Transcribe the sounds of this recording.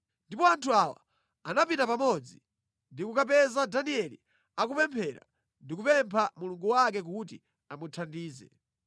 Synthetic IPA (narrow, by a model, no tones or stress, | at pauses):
ndipɔantʰuawa̰ | anapintapamɔd͡zi | ndikukap̬ɛzadaniɛlḭ | ak̬upɛmpʰɛɾa̰ | ndikupɛmpʰamuluŋɡuwakɛk̬ut̬i | amutʰandiːzɛ̰